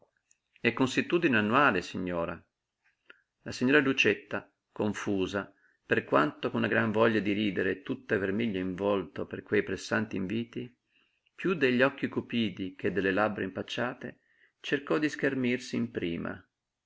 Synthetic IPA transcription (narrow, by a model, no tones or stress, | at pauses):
ɛkːonsit̪ːuːd̪ineanːuwaːlesiɲːɔːɾa | lasiɲːɔːɾalut͡ʃet̪ːa | koɱfuːza | perkwant̪okonːaɡɾaɱvɔʎːad̪iɾiːd̪eɾet̪ut̪ːaevermiʎːaiɱvɔlt̪operkwejpɾesːant̪iːɱviːt̪i | pjud̪eʎːɔkːikupiːd̪ik̟ed̪ːelːelabɾaimpat͡ʃːaːt̪e | t͡ʃerkɔd̪iskermirsiːmpɾḭːma̰